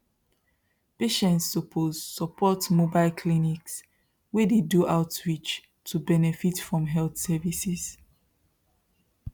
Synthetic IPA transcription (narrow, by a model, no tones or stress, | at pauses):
peʃɛ̃ntsɔpʰozsɔpʰɔtmobaɪlkʰliniks | wediduʔaʊtɹit͡ʃ | tʰubɛnɛfitfɹɔ̃mɦɛlθsɛvisiz̥